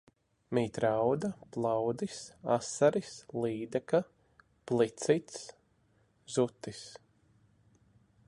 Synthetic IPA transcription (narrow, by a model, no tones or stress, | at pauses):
miːt̪ɾawd̪aplˠawd̪isasaɾislˠiːd̪aka | plˠit̪sit̪s | z̥ut̪ːis